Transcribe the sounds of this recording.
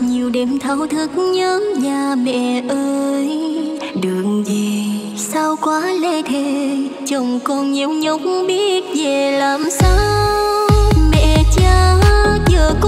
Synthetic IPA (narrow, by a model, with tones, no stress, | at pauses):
ɲi˨˩əwɗe˨˩mt̪ʰə˨˦wt̪ʰɨ˧˩˦k̚ɲəː˧˦nvaː˨˩mɛ̰˧˨ʔəː˧j | ɗɨ˨˩ək̚ŋzi˨˩ | sa˧wkwaː˨˦le˧t̪ʰe˧˩t͡ɕə˨˧˩wŋ͡mkɔ˧˩nɲi˨˦wɲə˨˦wk͡p̚ŋ͡mɓi˦˥t̚ve˨˩laː˨˩msaː˧˦wmɛ̰˧˨t͡ɕaː˧t͡ɕəː˨˩k